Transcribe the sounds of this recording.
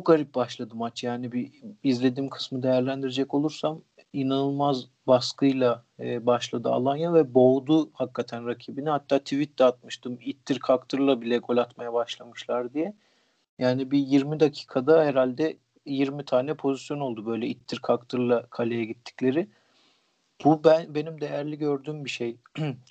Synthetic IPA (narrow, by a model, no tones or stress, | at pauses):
t͡ʃʰok̚ɡaɾip̚baʃlˠad̪ɯmat͡ʃjaːnibiizlʲe̞d̪iːmkʰɯ̥smɯd̪e̞jæɾlʲænd̪iɾed͡ʒɛco̞lˠuɾsam | inanɯlˠmaz | baskɯjlˠaːbaʃlˠad̪ɯa̰lˠanjavɛbo̞d̪uhakːat̪ʰænɾacʰiːbinihat̪ʰːaːt̪ʰivit̪ːɛat̪̚mɯʃt̪ʰɯmit̪ʰːiɾkʰakt̪ʰɯɾlˠabilʲɛɡʰo̞lʲat̪majabaʃlˠamɯʃlˠaɾd̪ijɛ | jaːnibijiɾmid̪acʰi̥ːkʰad̪aheɾalʲd̪ɛ | jiɾmit̪ʰaːnɛpʰo̞zisjo̞no̞lˠd̪ubø̞jlʲɛit̪ʰːiɾkʰakt̪ʰɯɾlˠakʰalʲejɛɟit̪ʰːi̥clʲe̞ɾɪ | b̥ubænbe̞nimd̪e̞jæɾlʲiɟø̞ɾd̪yːmbiʃej